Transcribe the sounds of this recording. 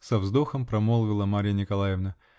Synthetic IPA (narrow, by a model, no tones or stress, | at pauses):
sɐvzd̪oxəmpɾɐmolˠvʲɪlˠəmaɾʲɪjənʲɪkɐlˠajɪvnə